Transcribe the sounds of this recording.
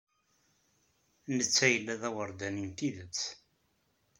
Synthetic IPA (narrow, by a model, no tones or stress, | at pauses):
nət͡sːæjəlːæðæwəɾˤd̪ænint̪iðət͡sː